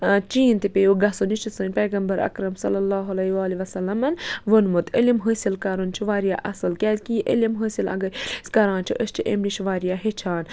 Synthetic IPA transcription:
t͡ʃiːnt̪ipʲejuɡɐsoniʃt͡ʃisɨnʲpeːɡɐmbɐɾɐ̰kɾɐmsɐlːɐlːaːɦɐlɐiʋaːliʋɐsɐlːɐmɐnʋonmut̪ilimɦəːsilkaɾunt͡ʃʰuʋaːɾijaːʔɐsɨlkʲeːt̪kiʔə̰lʲimɦəːsilɐ̰ɡɐskɐɾãːnt͡ʃʰiʔəst͡ʃʰiʔḛmniʃʋaːɾijaːɦet͡ʃʰaːn

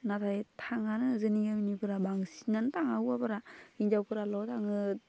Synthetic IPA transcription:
natʰajtʰaŋanɯzɯniɡaminipʰɯɾabaŋsinantaŋawabaɾaind͡ʒawkʰɯɾalɔtʰaŋɯ

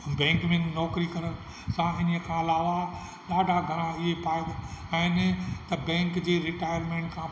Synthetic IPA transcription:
bɛ̃ːŋkmẽnɔːkɾikɐɾən | sãɪnəəkʰãɐlaːʋa | ɗaːɖʱaɡʱɐɾãɪɦepʰaːɪd̪ɛ̃ːɪnɪ̆t̪ɐbɛ̃ːŋkd͡ʑeːɾɪʈaːɪjəɾmẽːɳʈkʰãː

